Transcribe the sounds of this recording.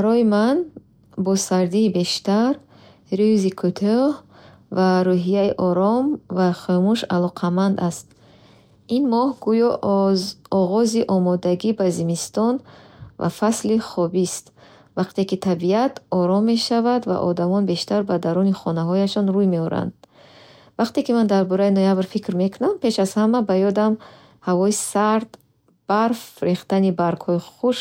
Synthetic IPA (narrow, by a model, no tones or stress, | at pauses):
baɾɔjiman | bɔsaɾd̪iːbe̞ʃt̪aɾ | ɾyzikʰut̪ʰɔh | vaɾuɦijaiʔɔɾɔmvaχømuʃalɔqʰamand̪ast̪ | inmɔhɡujɔ | ɔʁɔziʔɔmɔd̪aɡibazimist̪ɔnva̰fasliχɔbist̪ | vaqt̪e̞kit̪ʰabiat̪ʰɔɾɔmːe̞ʃavad̪va̰ʔɔd̪amɔnbe̞ʃt̪aɾbad̪aɾuniχɔnaɦɔjaʃɔnɾujme̞ɔɾa̰nd̪̥ | vaqt̪e̞kimand̪aɾbɔɾainojabɾfikɾme̞kʰunampe̞ʃaz̥hamabajɔd̪am | havɔisaɾd̪ | b̥aɾfɾeχt̪anibaɾkhɔiχuʃ